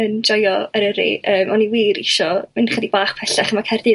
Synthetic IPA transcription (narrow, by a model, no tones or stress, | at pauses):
ənd͡ʒɔjɔəɾəɾḭəːmɔniwiːɾɪʃɔmɪnχədibaːχpʰɛɬaχəmakʰɛrdɪ